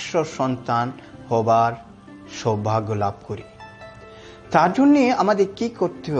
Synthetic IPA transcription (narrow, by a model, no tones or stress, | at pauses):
ʃoʃɔnt̪anhɔbaɾ | ʃobʱaɡolab̚koɾi | t̪aɾd͡ʑonːeeamad̪eɾkikoɾt̪eɦo